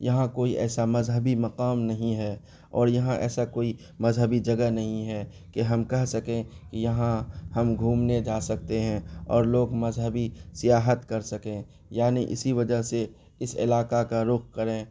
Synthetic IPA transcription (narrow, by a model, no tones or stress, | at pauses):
jɐɦãkoːiʔɛ̰ːsamɐzɦəbimɐqaːmnɐɦĩɦɛː | ɔːɾjɐɦãʔɛ̰ːsakoːi | mɐzɦəbid͡ʒɐɡənɐɦĩɦɛ | keɦɐmkɛɦsɐkẽkejɐɦãhɐmɡʱũːmned͡ʒaːsɐk̚t̪eɦɛ̃ɔːɾloːɡmɐzɦəbisɪjaːɦət̪kɐɾsɐkẽː | jaːniʔɪ̰siʋɐd͡ʒəɦse | ɪsɪ̰laːqakaɾʊkkɐɾẽː